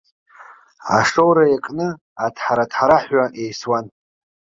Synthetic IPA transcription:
a̰ʂowɾajakʼnɨ | atʰħaɾatʰħaɾaħʷaʔejswan

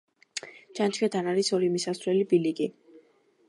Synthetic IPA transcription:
t͡ʃant͡ʃʰkʰɛt̪ʰanaɾisɔɾimisasvɾɛlibiliɡi

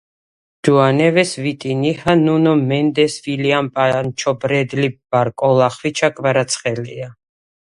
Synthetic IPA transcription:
d̪̥uanɛvɛsvit̪ʼinihanunɔmɛnd̪ɛsviliampʼant͡ʃʰɔbɾɛd̪lib̥aɾkʼɔlˠaχwit͡ʃʰakʼvaɾat̪sʰχɛlia

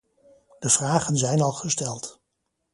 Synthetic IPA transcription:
d̥əv̥raːχənzɛjnɑlˠχəstɛlˠt

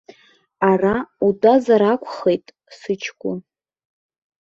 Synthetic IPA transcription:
arautʼazaɾakʷʰʼχejtʼ | sɨt͡ʃʰkʷʼʊ

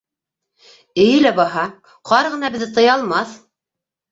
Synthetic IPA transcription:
ɘ̆jɘlæbɑɦɑ | qɑɾʁɤ̆nɑbɘ̆ðɘt̪ɤ̆jɑlˠmɑθ

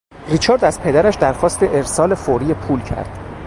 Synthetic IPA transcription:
rit͡ʃʰɒːɾd̪æzpʰe̞d̪æɾæʃd̪æɾxɒːst̪eʔeɾsɒːlefoɾiːepʰuːlcʰæ̰ɾd̪̥

